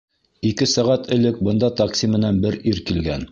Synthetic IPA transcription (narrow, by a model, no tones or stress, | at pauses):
ikɘsæʁæt̪ʰɘ̆lɘk̚bɤ̆nd̪ɑt̪ɑksʲimɘ̆nænbɘɾʔiɾkilɡæn